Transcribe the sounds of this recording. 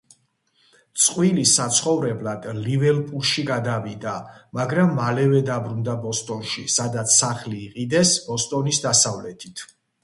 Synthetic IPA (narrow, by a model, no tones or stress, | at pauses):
t̪sʼqʼwilisat̪sʰχɔvɾɛblad̪̥livɛlpʼulʃiɡad̪avid̪amaɡɾamːalɛvɛd̪abɾund̪abɔst̪ʼɔnʃisad̪at̪sʰːaχliːqʼid̪ɛsbɔst̪ʼɔnisd̪asavlɛt̪ʰit̪ʰ